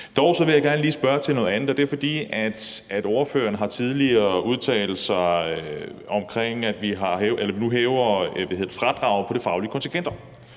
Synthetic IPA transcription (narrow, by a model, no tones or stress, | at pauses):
d̥ɒʊsɒ̽ʋe̝jaɡ̥æɐnəliːsb̥ɶɐt͡sʰe̝lnɔ̽ðˠænð̩ˠɒd̥e̝æɐfɒ̽d̥ḭːæd̥æd̥oɐfø̰ːɐnəɦɑ̈t͡sʰið̞ˠliɐːuð̞ˠt͡sʰɛ̰ːl̩sɑ | ɒ̽mkʰʁeŋ̰æd̥ʋiɦɑ̈ʔelɐʋinuɦɛːʊɐʋæhe̝ðð̩ˠfʁɑ̈d̥ʁɑ̈ʊpʰɒ̽ɾ̥e̝fɑ̈ʊliəkʰɒ̽nt͡sʰi̥ɡʰend̥ɐ